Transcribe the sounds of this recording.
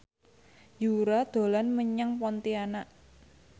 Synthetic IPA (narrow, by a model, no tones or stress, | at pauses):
juɾad̪̥o̤lanməɲaŋpɔnt̪ianaʔ